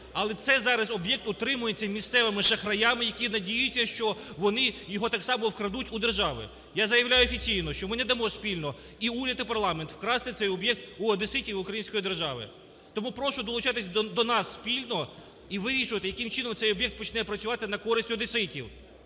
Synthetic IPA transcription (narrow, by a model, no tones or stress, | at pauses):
ɐlˠɛt̪sɛjzɑɾɐzɔbjɛk̚t̪ʊt̪ɾɪmʊjet͡sʲːɐmʲist̪sɛʋɪmɪʃɐxɾɐjamɪjɐkʲinɐdʲijʊt͡sʲːɐʃt͡ʃɔʋɔnɪjɔɦɔt̪ɑksɑmɔwkɾɐd̪utʲud̪erʒɑʋɪ̰ | jazɐjɐʋlʲajʊɔfʲit͡sʲijnɔʃt͡ʃɔmɪnɛd̪ɐmɔsʲpʲilʲnɔ | iuɾʲɐt̪ɪpɐrlˠɑment̪w̥kɾɑst̪ɪt̪sɛjɔbjɛk̚t̪uɐd̪esɪtʲiwʊkɾɐjinsʲkɔjid̪e̞rʒɑʋɪ̰ | t̪ɔmupɾɔʃʊd̪ɔlˠʊt͡ʃɑt̪ɪsʲd̪ɔnɑsːpʲilʲnɔ | iʋɪɾʲiʃʊʋɐt̪ɪjɐkɪmt͡ʃɪnɔmt̪sɛjɔbjɛkt̪pɔt͡ʃnɛpɾɐt͡sʲʊʋɑt̪ɪnɐkɔɾɪsʲtʲʊɐd̪esɪtʲiw